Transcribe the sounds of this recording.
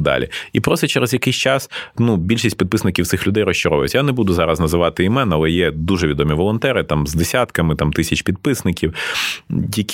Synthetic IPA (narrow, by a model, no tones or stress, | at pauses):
d̪ɑ̰lʲḭipɾɔst̪ɛt͡ʃɛɾɛzjɐkɪsʲt͡ʃɑsnubʲilʲʃisʲtʲpʲid̪̚pɪsnɪkʲiwt̪ɪxlʲʊd̪ɛjrɔɕt͡ʃɔɾɔʋɔj̰t͡sʲjanɛbud̪ʊzɑɾɐznɐzɪʋɑt̪ɪimɛnɐlˠɛjɛd̪uʒɛʋʲid̪ɔmʲiʋɔlˠɔnt̪ɛɾɪt̪ɑmzd̪esʲat̪kɐmɪt̪amt̪ɪsʲɐt͡ʃpʲid̪̚pɪsnɪkʲiw | jɐkʲ